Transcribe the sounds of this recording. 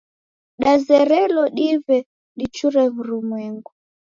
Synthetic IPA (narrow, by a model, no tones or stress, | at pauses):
ɗazɛɾɛlɔɗiβɛ | ɗit͡ʃuɾɛβuɾumwɛŋɡu